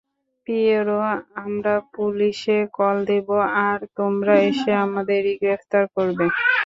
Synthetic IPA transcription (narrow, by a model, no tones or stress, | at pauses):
pieɾoamɾapuliʃekɔld̪eboaɾt̪omɾaeʃeamad̪eɾiɡɾeft̪aɾkoɾbe